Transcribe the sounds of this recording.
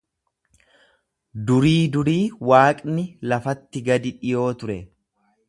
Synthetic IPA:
d̪ʊɾiːd̪ʊɾiːwaːkʼnɪlɐfɐt̪ːɪɡɐd̪ɪᶑɪjo̞ːt̪ʊɾɛ

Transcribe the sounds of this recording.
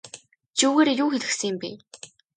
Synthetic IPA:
t͡ɕuːwɣeːɾjuːxeɮɘ̆ksɘ̆ŋjɪ̆mpḭː

